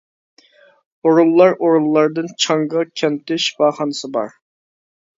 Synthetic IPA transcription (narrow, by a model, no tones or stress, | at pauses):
oɾulˠːɑɾoɾulˠːɑɾd̪ɨnt͡ʃʰɑŋʁɑkʲʰɛnt̪ʰɪʃbɑːχɑnɨsɨbɑ̰ɾ